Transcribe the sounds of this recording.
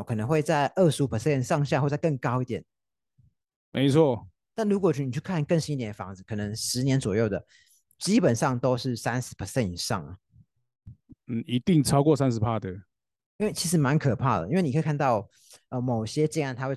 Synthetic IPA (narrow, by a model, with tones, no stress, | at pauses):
kʰɤ˨˩nə˧˥ŋxwe˥˧ɪt͡sa˥˧ɪʔə˥˩ʂu˧˥pʰə˨˩sɛ˥˧nʂɑ˥˧ŋɕja˥˧xwt͡sa˥˧ɪkɤ˥˩ŋkɑ˥ʊi˥˩t̪jɛ˨˩˦n | mʔe˧˥ɪt͡sʰwɔ˥˩ | na˥˩nɻu˧˥kwɔ˨˩t͡ɕy˥˩ni˨˩t͡ɕʰy˥˩kʰa˥˨nkŋɕi˥ni˥˧t̪jnfɑ̰˧˥ŋd͡zɹ̩˨˩kʰɤ˨˩nə˧˥ŋʂɻ̩˧˥njɛ˧˥nt͡swɔ˨˩jo˥˩ʊd̪ə˩ | t͡ɕi˥pə˨˩nʂɑ˥˩ŋt̪o˥ʊʂɻ̩˥˩sa˥nʂɻ̩˧˥pʰə˨˩sɛ˥˩ni˨˩ʂɑ̰˥˩ŋə̰˩ | n̩˥˨˩i˧˥t̪i˥˨ŋʈ͡ʂʰɑ˥ʊkwɔ˥˨sa˦nʂ̬̩˧˥pʰa˦t̪ə˥˨ | i˥nwe˥˩ɪt͡ɕʰi˧˥ʂɻ̩˧˦˥ma˧˦nkʰɤ˨˩pʰa˥˩d̪ə̰˩i˥nwe˥˩˨ni˨kʰi˨˩kʰa˥˧nt̪ɑ˥˩ʊ | ə˧˩mo˨˩ʊɕjɛ˥t͡ɕi˥˧ŋa˥˩nt̪ʰa˥xwe˥˩